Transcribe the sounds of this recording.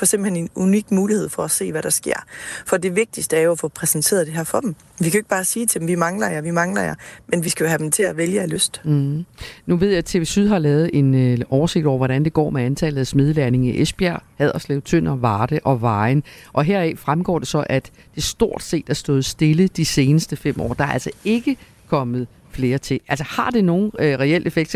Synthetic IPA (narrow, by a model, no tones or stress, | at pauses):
fɒ̽semb̥l̩henenunyɡ̥muːlihe̝ð̰ˠfɒ̽æse̝̰ːʋæɾ̥ɑ̈sɡ̥e̝ɐ̰fɒ̽d̥e̝ʋe̝ɡ̥̚d̥isd̥əæɐjo̝æfɔ̽pʰʁɛsnt͡sʰe̝̰ːɐðˠd̥e̝ɦæɐfɒ̽d̥m | ʋikʰæeɡ̥̚b̥ɑ̈ːsiːt͡sʰe̝d̥em̩ʋimɑ̈ŋlɐjɑʋimɑ̈ŋlɐjɑmenʋisɡ̥æjo̝ɦæd̥em̩t͡sʰe̝læʋeljəæløsd̥̩ | nuʋe̝ð̞̰ˠjɑ̈t͡sʰe̝ʋesyðˠɦɑ̈lɛːʊð̞̩ˠe̝nɒːʊɐse̝ɡ̥̚ɒ̰ʊ̰ɐʋɒɾænd̥e̝ɡ̥ɒ̰ːmeænt͡sʰɛːlð̩ˠæsmeð̞ˠəlæɐne̝ŋiʔesb̥jæɐ̰hɛð̞ˠɐslɛ̰ːʊt͡sʰøn̰ɐʋɑ̈ːd̥əʔɒ̽ʋɑ̈ɪnʔɒ̽ɦeɐ̰ɛfʁamɡ̥ɒ̰ːd̥e̝sɒ̽ʔæd̥ | d̥e̝sd̥o̝ɐ̰d̥se̝̰ːd̥æɐsd̥ɔ̽ːð̞̩ˠsd̥e̝ləd̥ise̝ːnəsd̥əfem̰ʔɒ̰ːd̥ɑ̈æɐæl̰sɒe̝ɡ̥ə | kʰɒ̽mð̞̩ˠ | fle̝ːɐt͡sʰe̝æl̰sɒhɑ̈d̥e̝no̝ːn̩ʁɛel̰e̝feɡ̥̚d̥